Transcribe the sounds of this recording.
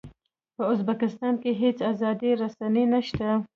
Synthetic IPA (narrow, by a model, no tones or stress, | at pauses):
pəʊzbakɪst̪ɑnkeɦet͡sazɑd̪iɾasanenaʃt̪a